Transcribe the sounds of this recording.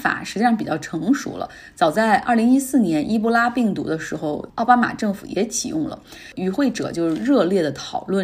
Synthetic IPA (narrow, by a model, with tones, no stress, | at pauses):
fa̰˨˩ʂɻ̩˧˥t͡ɕi˥˩ʂɑ˥ŋ˧pi˨˩t͡ɕjɑ˥˩ʈ͡ʂʰɤ˧˥ŋʂṵ˧˥lə̰˧ | t͡sɑ˨˩ʊt͡sa˥˧ɪʔɐ̰˞˥˩li˧˥ŋi˥sɹ̩˥˩njɛ˧˥nʔi˥p̬u˥˧la˥pi˥˩ŋt̪ṵ˧˥d̪ə˧ʂɻ̩˧˥xo˥˧ʊɑ˥˧ʊpa˥ma̰˨˩ʈ͡ʂɤ˥˩ŋfu˨˩jɛ̰˧˥t͡ɕʰḭ˨˩jʊ̰˥˩ŋlə̰˩ | y˧˥xwe˥˩ɪʈ͡ʂɤ̰˨˩t͡ɕjo˥˧ʊʂɻ̩˥˧ɻɤ˥˧ljɛ˥˩d̪ə˩t̪ʰɑ˨˩ʊlwə˥˩n